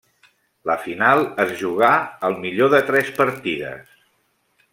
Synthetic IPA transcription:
ləfinalˠəzʒuɣaəlˠmiʎoðət̪ɾɛspəɾt̪iðə̰s

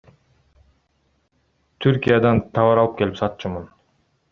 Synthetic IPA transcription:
t̪ʰyɾkʲijad̪ɑnt̪ʰɑβɑɾɑlˠɯp̚ke̞lipsɑt̪̚ːt͡ʃɯmun

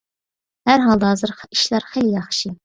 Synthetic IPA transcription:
hæɾɦɑlˠd̪hɑːzɨɾχi̥ʃlˠɑɾχeljɑχʃi

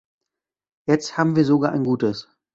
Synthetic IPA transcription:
jɛt͡sthaːbm̩viːɐzoɡaːɐʔa̰ɪnɡuːtəs

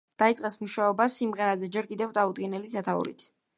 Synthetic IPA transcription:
d̪̥ait̪sʼɛsmuʃaɔbasimʁɛɾazɛd͡ʒɛɾkʼid̪ɛvd̪ʼaud̪ɡinɛlisat̪ʰaṵɾḭt̪ʰ

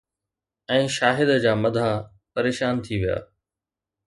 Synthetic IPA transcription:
ɛ̃ːʃaːɦɪd̪əd͡ʑaːmɐd̪ʱã | pɐɾeːʃaːnt̪ʰiʋija̰ː

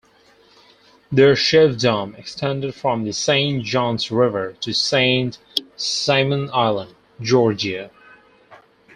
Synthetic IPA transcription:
ðə˞ʃɛvdɑ̃mɨkstʰɛ̃ndɨd̥fɹʌ̃mðɨsẽɪ̃n̥ʒ̥ɑ̃nzɹɪvə˞ɾʰɨsẽɪ̃nt | sẽɪmə̃naɪlˠə̃nd | d͡ʒɔɹd͡ʒiɨ

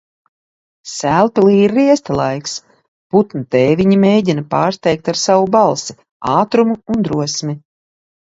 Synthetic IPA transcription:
sælˠpilˠiːɾːiɛst̪alˠajks | put̪nut̪ɛːjviɲimeːjɟʲinapaːɾst̪ɛjk̚t̪aɾsawubalˠsi̥ | aːt̪ɾumuːnd̪ɾuɔsmʲi

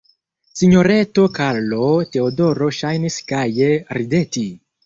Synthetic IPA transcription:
siɲo̞ɾe̞to̞kaɾlote̞odoɾo̞ʃajniskajeɾide̞ti

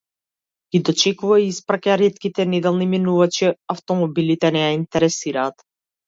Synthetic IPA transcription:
ɡʲid̪ɔt͡ʃɛkuvaiispɾakaɾɛt̪kit̪ɛnɛd̪ɛlˠniminuvat͡ʃiaft̪ɔmɔbilit̪ɛnɛjaint̪ɛɾɛsiɾaːt̪

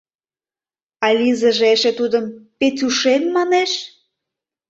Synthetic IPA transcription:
ɑlʲizəʒeʃet̪ud̪əmpet̪ʲuʃenmɑneʃ

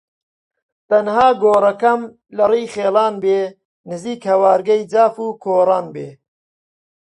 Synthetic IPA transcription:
t̪ɐnhaːɡoːrɐkɐm | lɐriːχeːlɑːnbeː | nɨziːkhɐwaːɾɡɐjd͡ʒaːfuːkʰoːrɑːnbeː

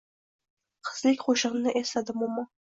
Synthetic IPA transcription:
qʰə̥z̥lɪkʲqʰoʃɪʁnɪʔest̪ad̪ɪmʊmːɑ

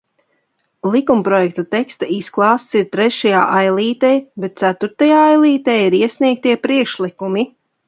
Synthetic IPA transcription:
lˠikumpɾɔjɛk̚t̪ut̪ɛkst̪aisklˠɑːst̪siɾt̪ɾɛʃajaːʔajlˠiːt̪ɛjbɛt̪̚t̪sæt̪uɾt̪ajaːajlˠiːt̪ɛjiɾiɛsniɛk̚t̪iɛpɾiɛkʃlˠikumi

